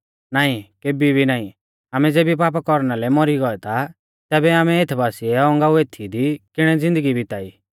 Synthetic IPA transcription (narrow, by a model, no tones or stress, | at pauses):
naːĩkeːbibʱinaːĩ | aːmɛd͡zeːbip̬aːp̬akɔɾnalɛmɔɾiɡɔɛt̪ʰa | t̪ɛːbɛaːmɛet̪ʰbaːsiɛɔ̃ŋɡaueːt̪ʰid̪ikɪɽ̃ɛd͡zɪ̃nd̪əɡibʱit̪aːiː